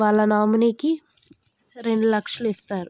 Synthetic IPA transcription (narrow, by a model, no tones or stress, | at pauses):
ʋaːɭːɐnaːmuneːki | sɐɾeɳɖulɐkʂɐluist̪aːɾu